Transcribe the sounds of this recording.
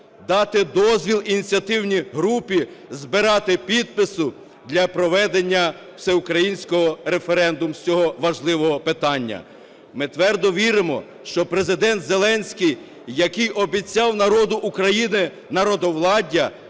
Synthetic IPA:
d̪ɑt̪ɪd̪ɔzʲʋʲilˠinʲit͡sʲijɐt̪ɪwnʲijɦɾupʲizbɪɾɑt̪ɪpʲid̪̚pɪsʊ | d̪lʲɐpɾɔʋɛd̪enʲːɐ | w̥sɛʊkɾɐjinʲsʲkɔɦɔɾefeɾɛnd̪ʊmsʲɔɦɔʋɐʒlˠɪʋɔɦɔpɪt̪ɑnʲːɐ̰ | mɪt̪ʋɛrd̪ɔʋʲiɾɪmɔ̰ | ʃt͡ʃɔpɾezɪd̪ɛnt̪zelˠɛnʲsʲkʲij | jːɐkɪjʔɔbʲit͡sʲɑwnɐɾɔd̪ʊʔːkɾɐjinɪ | nɐɾɔd̪ɔwlˠɑdʲɐ

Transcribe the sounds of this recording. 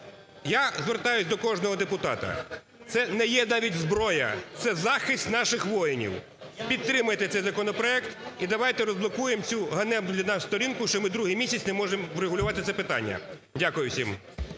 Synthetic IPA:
jazʋert̪ɑjʊsʲd̪ɔkɔʒnɔɦɔd̪epʊt̪ɑt̪ɐ̰ | t̪sɛnɛjɛnɑʋʲitʲzbɾɔjɐ̰t̪sɛzɑxɪsʲt̪ʲnɑʃɪxʋɔjɪnʲḭw | pʲid̪̚t̪ɾɪmʊjet̪ɛt̪sɛjzɐkɔnɔpɾɔɛkt̪id̪ɐʋɑjt̪ɛɾɔzblˠɔkujemt͡sʲuɦɐnɛmd̪lʲɐnɑsst̪ɔɾʲinkʊʃt͡ʃɔmɪd̪ɾuɦɪjmʲisʲɐt͡sʲnɛmɔʒemwɾeɦʊlʲʊʋɑt̪ɪt̪sɛpɪt̪ɑ̰nʲːɐ̰ | dʲakʊjʊwsʲim

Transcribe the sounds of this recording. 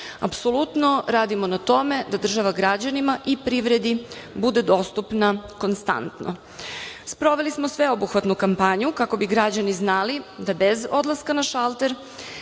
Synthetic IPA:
a̰pso̞lut̪no̞ɾaːd̪imonat̪o̞me̞d̪ad̪r̩ʒaʋaɡɾad͡ʑanimaʔipɾiʋɾe̞d̪ibud̪ed̪o̞st̪upnako̞nst̪a̰nt̪nʔo̰ | spɾo̞ʋe̞lismosʋe̞o̞buxʋat̪nukampaɲukako̞biɡɾad͡ʑaniznalid̪abe̞zo̞d̪lˠaskanaʃalˠt̪e̞ɾ

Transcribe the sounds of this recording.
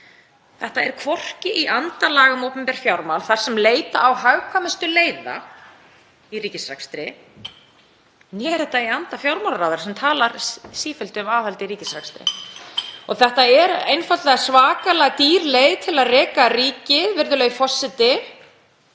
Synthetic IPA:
θɛht̪aɛɾkʰvɔr̥cɪʔiʔant̪alaːɣʏmowpɛmpɛɾ̥fjawɾmalθaɾ̥sɛmleːjt̪a̰ːwɦaɥwkʰvamɪst̪ʏleːjða̰ | iriːcɪsɾakst̪ɾɪ | njɛːɾɪt̪aiant̪afjawɾmalɾawðɪɾḁsɛmt̪ʰaːlaɾsiːfʏlt̪ɪʏmaːhɛlt̪ɪɾiːcɪsɾakst̪ɾɪ̰ | ɔɣθɛht̪aɛɾejnfat̪lḁsvaːkalaɣt̪iːɾlejðt̪ʰɪlaðrɛːkariːcɪvɪɾðʏlɛɣfɔsːɪt̪ɪ

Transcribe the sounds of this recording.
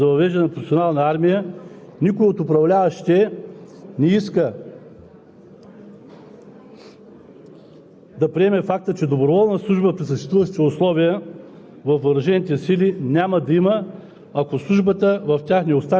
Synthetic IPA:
zɐvɐvɛʒd̪ɐnɛnɐpɾofʲsʲionalˠnɐaɾmijə | nikʊjot̪ʊpɾɐvlʲavɐʃt̪ɛ | nɛiskə | d̪ɐpɾiɛmɛfak̚t̪ət͡ʃɛd̪obɾovɔlˠnəslˠuʒbəpɾisəʃt̪ɛst̪vuvɐʃt̪ɛʊslˠɔvijə | vɐfvɐɾɐʒɛnit̪ɛsilinʲaməd̪ɐimə | ɐkoslˠuʒbət̪əvɐft̪ʲaxnɛost̪a

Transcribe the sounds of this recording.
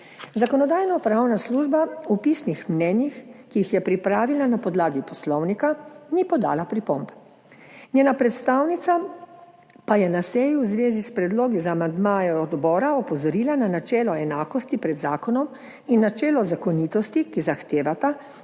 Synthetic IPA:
zakɔnɔd̪aːjnɔpɾawnasluːʒbaupiːsnixmnɛːnjixkiixjɛpɾipɾaːʋilanapɔd̪laːɡipɔslɔwnikanipɔd̪a̰ːlapɾipomb | nɲjeːnapɾɛt̪st̪aːwnit̪sa | pajɛnasɛjuwzʋeːzispɾɛd̪loːɡizaːmand̪maːjɛɔd̪bɔːɾaɔpɔzɔɾiːlananat͡ʃɛːlɔɛnaːkɔst̪ipɾɛd̪zaːkɔnɔm | inːat͡ʃɛːlɔzakɔnit̪ɔst̪ikizaxt̪eːʋat̪a

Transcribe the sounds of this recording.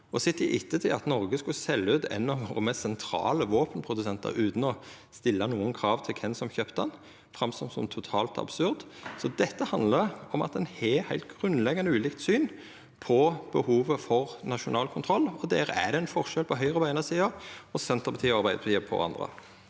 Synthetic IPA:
ɔsɪt̪ɪʔɪt̪ːət̪ʰɪlɑt̪nɔɾɡəskʉsɛlːʉːt̪ʰɛ̰nːɑʋɔmɛsɛnt̪ʰɾɑ̰ːləʋoːpənpʰɾʊd̪ʉsɛnt̪ə̰ɾʉːt̪n̩ɔ | st̪ɪlːɑnuːənkʰɾɑːʋt̪ʰɪlkʰɛnsɔmçøːpt̪əɛn | fʁɑmsɔmsɔmt̪ʰʊt̪ʰɑ̰ːlt̪ɑ̰bsʉɾd̪sɔd̪ɛt̪ːəhɑnd̪ləɾɔmɑ̰t̪ɛnhɛhæɪlt̪̚ɡʁʉnlɛɡɑnəʉːlɪːk̚t̪syːn | pʰɔb̥əhuːʋəfɔʁnɑʃʊnɑːlkʰʊnt̪ʰɾɔlːɔd̪ɛːɾəæ̰d̪ɛɛnfɔʁʃɛlpʰɔɦœʏʁəbæɪnəsiːɑɔsɛnt̪əʁpʰɑt̪ʰiːɑʁbæɪd̪pʰɑt̪iːəpʰɔ̰ɑ̰nd̪ʁə̰

